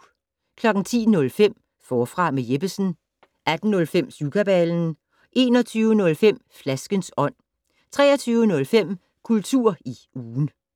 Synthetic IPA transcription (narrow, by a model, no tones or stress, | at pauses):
kʰlɒ̽ɡ̥ŋ̩t͡sʰḭːnɔ̽lfem̰ | fɒːfʁɑ̈meje̝b̥əsn̩ | ʔæd̥n̩nɔ̽lfem̰sukʰæb̥æln̩ | ʔe̝̰ːnɒ̽t͡sʰyːʊənɔ̽lfem̰flæsɡ̥ənsɒ̽n̰ | t͡sʰʁɛ̰ːɐt͡sʰyːʊənɔ̽lfem̰ | kʰult͡sʰuɐ̰iuːn̩